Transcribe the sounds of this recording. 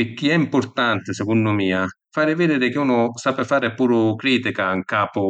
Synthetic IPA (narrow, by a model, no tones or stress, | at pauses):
ɪk̟ːiɛimpʊrt̪ant̪ɪsɛkunːdʊmiːafaːɾɪvɪd̪eːɾɪk̟ɪuːnʊsapɪfaːɾɪpuːɾʊkɾiːt̪ikaiŋkaːpʊ